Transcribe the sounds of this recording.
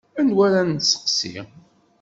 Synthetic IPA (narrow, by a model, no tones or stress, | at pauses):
ænwælænsə̥qsḭ